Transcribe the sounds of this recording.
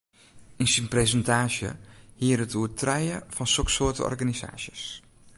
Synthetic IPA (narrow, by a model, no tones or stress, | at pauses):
insənpresəntaːʃjə̰hiərətʰuətʰrɛjəfɔnsɔksoətə̰ɔ̰rɡaniza̰ːʃjəs